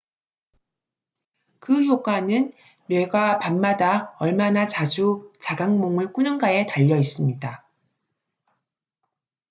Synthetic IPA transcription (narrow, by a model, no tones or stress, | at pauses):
kɯçjok͈wanɯnː | we̞ɡapanmadaʌɭmanat͡ɕad͡ʑut͡ɕaɡaŋmoŋɯɭk͈unɯnɡae̞taʎːʌis͈ɯmɲida